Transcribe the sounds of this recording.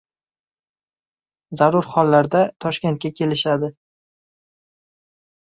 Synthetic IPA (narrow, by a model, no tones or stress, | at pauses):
zaɾʊɾχɒlːaɾd̪at̪ʰɒʃkʲe̞nt̪̚kʲakʲʰe̞lɪʃad̪ɪ